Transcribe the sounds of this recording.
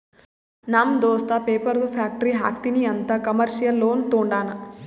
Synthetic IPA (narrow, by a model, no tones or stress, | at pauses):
namd̪ɔːst̪apeːpɐɾd̪upʰjaːk̚ʈɐɾiɦa̰ːk̚t̪iniɐnt̪ɐkɐmɐɾʂijɐlːoːnt̪oːɳɖaːnɐ